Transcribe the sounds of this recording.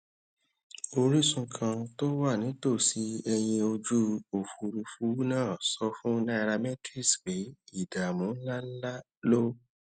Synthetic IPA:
o˧ɾi˦sũ˧kʰã˧to˦wa˦˨nĩ˨˦to˦˨si˨˦ɛ˧j̃ĩ˧o˧d͡ʒu˦o˨fu˨ɾi˧fu˦nãː˦˨sɔ˦fũ˦nã˦i˧ɾa˧mɛ˦tɾi˦˨sk͡pe˨˦i˦˨da˨mũ˨˦la˦la˦ | lo˦

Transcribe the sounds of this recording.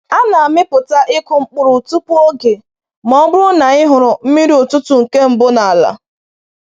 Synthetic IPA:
a˦na˨a˨mɪ˦pʊ˨ta˦ʔɪ˦kʊ˨ŋ͡m̩˦k͡pʊ˨ɾʊ˨tu˦pu˦o˦ɡe˨ | mɔ˦bʊ˦ʊ˦na˨ɪ˦ɦʊ˨ɾʊ˨m̩˦mi˦ɾi˦ʊ˨tʊ˦tu˨ŋ̩˨ke˦m̩˦bʊ˦na˨a˨la̰˨

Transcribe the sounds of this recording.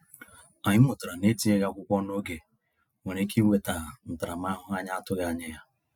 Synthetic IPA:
a˨ɲɪ˦mʊ˨ta˨ɾa˨ne˦ti˦e˦ɣa˦kʷʊ˦kʷɔ˦no˦ɡe˨ | we˨ɾe˦ki˦we˨ta˨ɦa˨n̩˨ta˨ɾa˨m˦a˦ɦʊ˦a˦ɲa˦a˦tʊ˦ɣa˨ɲɪ˦ja˦

